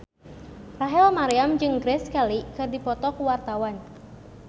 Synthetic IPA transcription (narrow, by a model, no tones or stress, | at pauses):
raɦɛlmaɾiamd͡ʒɨŋɡɾɛskalikɨrdipɔt̪ɔkuwart̪awan